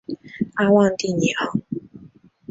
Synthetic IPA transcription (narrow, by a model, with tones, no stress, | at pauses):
a˧wa˥˧˨n˦t̪i˥˨ɲi˨ɔ˨˩˦